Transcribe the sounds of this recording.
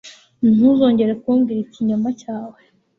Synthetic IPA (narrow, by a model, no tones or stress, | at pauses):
n̥uzo̞ːɲɟe̞ɾekuːmɡiɾiciɲumbacaːwe